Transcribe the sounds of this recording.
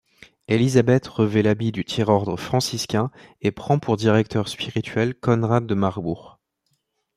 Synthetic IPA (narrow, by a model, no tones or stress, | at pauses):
elizabɛt̪ʁəvɛlabid̪yt̪ʰjɛʁɔʁd̪ʁəfχɑ̃siskʲɛ̃epχɑ̃pʰuʁd̪iʁɛk̚t̪ʰœʁspiʁit̪ɥɛlkɔnʁad̪ːəmaʁbuʁ